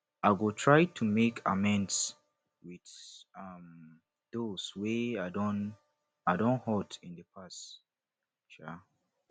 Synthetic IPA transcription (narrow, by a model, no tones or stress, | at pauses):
aɪɡotʰɹajtʰumekʰa̰mɛ̃nts | widʌm | d̥osweadɔ̃n | adɔ̃nhɔtʰĩndəpʰas | t͡ʃa